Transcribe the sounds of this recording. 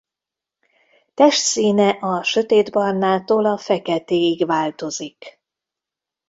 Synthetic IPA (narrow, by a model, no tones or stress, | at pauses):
t̪ɛʃt̪siːnɛʔɒʃø̞t̪eːd̪bɒrnaːt̪oːlɒfɛkɛt̪eːiɡvaːlt̪o̞zik